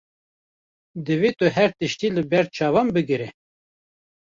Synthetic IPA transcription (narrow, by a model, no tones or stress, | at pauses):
d̪ɨveːt̪ɨɦɛɾt̪ɨʃt̪iːlɨbɛɾ̚t͡ʃʰɑːvɑmbɨɡɨɾe